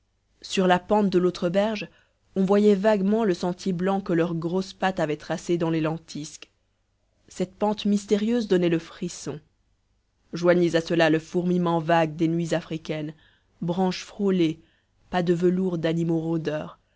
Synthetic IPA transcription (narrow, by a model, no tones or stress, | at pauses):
syʁlapɑ̃t̪̚d̪əlot̪χəbɛʁʒ | ɔ̃vwajɛvaɡmɑ̃ləsɑ̃t̪jeblɑ̃kəlœʁɡʁospat̪avɛt̪χased̪ɑ̃lelɑ̃t̪ʰisk | sɛt̪̚pɑ̃t̪mist̪eʁjøzd̪ɔnɛləfχisɔ̃ | ʒwaɲezasəlaləfuʁmimɑ̃vaɡ̚d̪enɥizafχikʲɛn | bʁɑ̃ʃfχole | pad̪əvəluʁd̪animoʁod̪œːʁ